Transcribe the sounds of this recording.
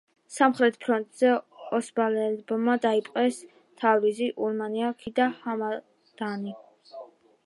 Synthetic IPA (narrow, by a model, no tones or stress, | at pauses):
samχɾɛt̪ʰpʰɾɔnt̪ʼz̥ɛɔsbalɛlbɔmːad̪aipʼqʼɛs | t̪ʰavɾiziʔuɾmaniakʰid̪ahama | d̪̥ani